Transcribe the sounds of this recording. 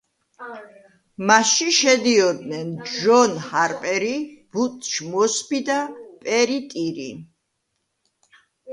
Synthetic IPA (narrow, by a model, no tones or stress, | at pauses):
maʃiʃɛd̪iɔd̪nɛnʒɔnhaɾpʼɛɾib̥ut̪ʼʃmɔsbid̪apʼɛɾit̪ʼiɾḭ